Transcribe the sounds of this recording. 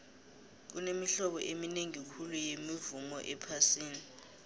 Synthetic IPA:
k̬unemiɬɔɓɔ̰ʔemineŋikʰulujemivumɔʔɛpʰasiːni

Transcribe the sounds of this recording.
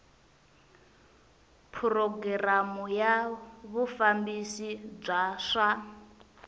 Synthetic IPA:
pʰurɔɡɛramujaβufambisib͡ʐaːʂa

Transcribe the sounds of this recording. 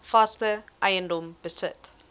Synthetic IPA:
fastəʔɐɪəndɔ̃mb̥əsət

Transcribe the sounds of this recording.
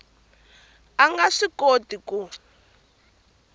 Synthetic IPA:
aŋɡaʂikotiku

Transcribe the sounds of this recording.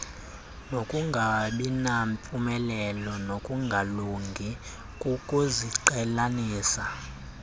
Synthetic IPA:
nokʼuŋɡʱaɓinampʼumɛlɛlɔnokʼuŋɡʱaluŋɡʱi | kʼukʼuziǃɛlaniːsa

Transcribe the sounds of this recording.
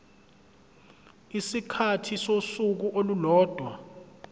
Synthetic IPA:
isikʰatʰisosuk̬uʔolulɔːd̥ʱwa

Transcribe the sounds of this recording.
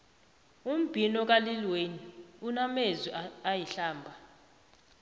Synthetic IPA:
um̩b̥ʱinɔk̬alilweniunamezwiajiɬaːmbʱa

